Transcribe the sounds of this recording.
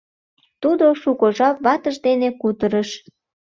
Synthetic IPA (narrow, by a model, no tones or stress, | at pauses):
t̪ud̪oʃukoʒɑpβɑt̪əʒd̪enekut̪əɾəʃ